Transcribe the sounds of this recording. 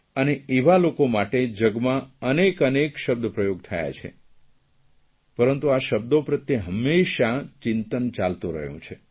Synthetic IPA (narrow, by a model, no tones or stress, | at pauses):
əneeʋalokomaʈed͡ʒəɡmãənekənekʃəb̚d̪əpɾəjoɡt̪ʰəja̰t͡ʃʰḛ | pəɾənt̪uaʃəb̚d̪opɾət̪jeɦəmːeʃat͡ʃɪnt̪ənt͡ʃalt̪ũɾə̰ɦjṵ̃t͡ʃʰe